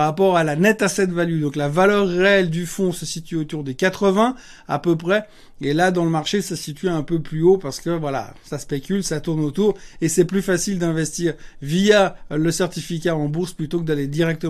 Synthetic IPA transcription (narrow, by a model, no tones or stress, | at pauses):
ʁapɔʁalanɛt̪asɛt̪valyd̪ɔ̃klavalœʁːeɛld̪yfɔ̃səsit̪ɥyot̪uʁd̪ekat̪χəvɛ̃ | a̰pøpχɛ | elad̪ɑ̃ləmaʁʃesasit̪ɥiɛ̃pøplyopaʁsə̥kəvwala̰saspekʲylsat̪uʁnot̪uʁesɛplyfasild̪ɛ̃vɛst̪iːʁvijaləsɛʁt̪ifikʲaɑ̃buʁsplyt̪okəd̪aled̪iʁɛk̚t̪ə